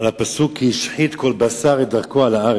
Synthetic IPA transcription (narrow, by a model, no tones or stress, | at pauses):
lapasukʰiiʃħit̪kolbasaʁed̪aʁkoalaa